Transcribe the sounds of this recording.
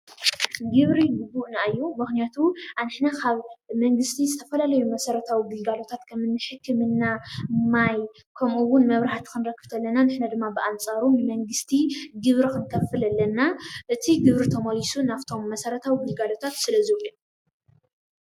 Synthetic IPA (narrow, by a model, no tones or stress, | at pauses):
ɡɨβɾiɡubːuʔnaʔɨjːumɨxnijat̪ʰuʔanħnakʰaβmɐŋɡɨst̪ʰizɨt̪ʰɐfɐlalɐjumɐsɐɾɐt̪ʰawiɡɨlɡalo̞t̪ʰat̪kʰɐmɨnːɨħɨkʰːɨmɨnːamaj | kʰɐmʔuwːʊnmɐβɾaħat̪ʰi̥kʰɨnɾɐkːɨ̥b̥t̪ʰɐlːɐnanɨħnad̪ɨmːabɨʔant͡sʼaɾumɨmɐŋɡɨst̪ʰiɡɨβɾikʰɨnkʰɐfɨlɐlːɐnːaʔɨt̪ʰiɡɨβɾit̪ʰɐmɐlisunaft̪ʰo̞mːɐsɐɾɐt̪ʰawiɡɨlɡalo̞t̪ʰat̪sɨlɐzɨwʔi